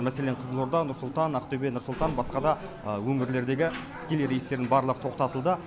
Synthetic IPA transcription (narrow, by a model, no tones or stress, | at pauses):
mæse̞leɴqʰəzəlˠoɾd̪ɑnʊɾsʊlˠt̪ɑnɑqt̪ɵbe̞nʊɾsʊlˠt̪ɑnbɑsqɑd̪ɑ | wɵŋɪɾle̞ɾd̪eɡʲɪt̪ʰɪ̥kʲe̞lejɾe̞jst̪e̞ɾd̪ɪnbɑɾlˠəqə̥t̪ʰo̞qt̪ɑt̪əlˠd̪ə